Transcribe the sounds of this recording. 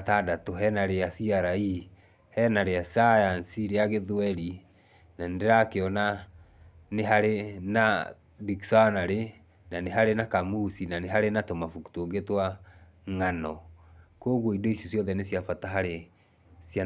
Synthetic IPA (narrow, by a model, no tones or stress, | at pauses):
tadatoɦɛnaɾeasiaɾai | hɛnaɾeasajansiɾeaɣeðuɛɾi | nandeɾakeɔna | neɦaɾena | diksanaɾe | naneɦaɾenakamusinaneɦaɾenatomafuku̥toːŋɡetwa | ŋanɔkoɣoidoisosjɔðɛnesjafataɦaɾe | sia